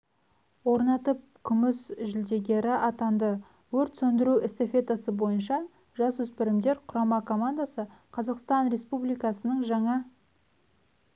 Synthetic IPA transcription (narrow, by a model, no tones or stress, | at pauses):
wo̞ɾnɑt̪əp̚kʲʰʏmɪsʒɪld̪e̞ɡʲe̞ɾɪʔɑt̪ɑnd̪ə | wɵɾt̪sɵnd̪ɪɾuʔɪst̪efʲe̞t̪asəbo̞jənʃɑ | ʒɑswɵspɪɾɪmd̪e̞ɾqʰʊɾɑmɑkʰo̞mand̪asəqʰɑzɑqst̪ɑnɾe̞spublijkɑsənəɴʒɑɴɑ